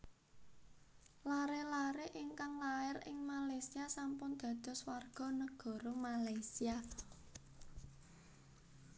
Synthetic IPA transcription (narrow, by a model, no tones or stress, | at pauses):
laɾelaɾeʔɪŋkaŋlaɪrɪ̰ŋmalajsiasampʊnd̪̥ä̤d̪̥ɔ̤swarɡ̥ɔ̤nəɡ̥ɔ̤ɾomalajsia